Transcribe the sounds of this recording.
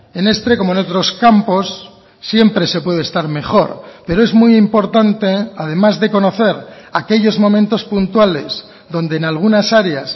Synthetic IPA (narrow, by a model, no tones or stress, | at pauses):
enest̪ɾekomoeno̞t̪ɾo̞skampo̞sː | je̞mpɾe̞se̞pwe̞ð̞est̪aɾme̞χo̞ɾpe̞ɾoe̞zmujimpo̞ɾt̪ant̪e̞að̞e̞mazðe̞ko̞no̞θe̞ɾake̞ʎo̞zmõ̞mẽnt̪o̞spunt̪wale̞z | ðo̞nd̪eːnalɣ̞unasaɾeas